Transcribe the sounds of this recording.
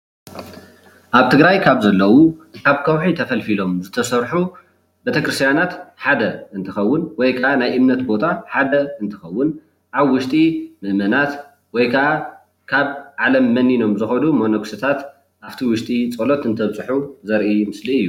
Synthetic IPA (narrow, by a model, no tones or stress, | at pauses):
ʔaβt̪ʰɨɡɾajkʰaβzɐlːɐwukʰaβkʰɐwħit̪ʰɐfɐlfilo̞mzɨt̪ʰɐsɐɾħu | bet̪ʰɐkɾɨst̪ijanat̪ħad̪ɐʔɨnt̪ʰɨxɐwːʊnwɔjkʰɐʔanajʔɨmnɐt̪bo̞t̪ʰaħad̪ɐɨnt̪ʰɨ̥xɐwːʊn | ʔaβwʊʃt̪ʼimɨʔmɐnat̪ | wɔjkʰɐʔa | kʰaβʕalɐmːɐnːino̞mzɨxɐnumonoksɐt̪ʰat̪ | ʔaft̪ʰiwʊʃt̪ʼit͡sʼɐlo̞t̪ɨnt̪ʰɐβt͡sʼɨħuzɐɾʔimɨsliɨjːu